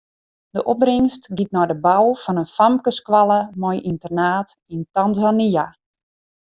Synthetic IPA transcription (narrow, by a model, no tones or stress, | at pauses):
d̥əʔɔb̚rɪŋstɡit̚nɔjdəbawfɔnənfamkəskʋalˠəmɔjʔintərnaːt | intanzania